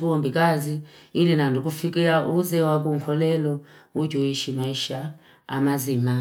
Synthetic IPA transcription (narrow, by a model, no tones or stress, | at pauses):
kombikʼaziilinandʱok̬ufikʼiaʔuzɛwak̬ʼum̩fɔlɛlɔud͡ʒoiʃimaiʃa̰ː | mazima